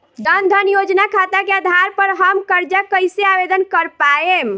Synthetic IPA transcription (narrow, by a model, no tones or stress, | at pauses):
ɖənd̪ʱənjod͡ʒnakʰat̪akead̪ʱaɾpəɾɦəmkəɾd͡ʒakəjseabed̪ənkəɾpaem